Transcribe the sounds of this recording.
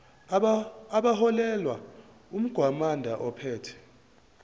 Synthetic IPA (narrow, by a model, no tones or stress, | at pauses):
ɓaɦɔlɛlwa | um̩ɡ̥ʱwamandʱaʔɔpʰɛːtʰɛ̥